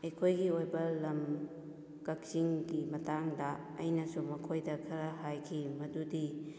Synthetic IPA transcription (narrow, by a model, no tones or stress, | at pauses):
ɐjkʰojɡiojbɐlɐm | kɐk̚siŋɡimɐtaŋdɐ̰ː | jnɐsumɐkʰojdɐkʰɐɾɐɦajkʰimɐdudi